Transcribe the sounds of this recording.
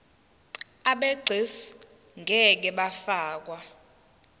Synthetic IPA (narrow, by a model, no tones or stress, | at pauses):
aɓeɡ͡ǀʱes | ŋɡʱɛk̬ɛɓafaːk̬wa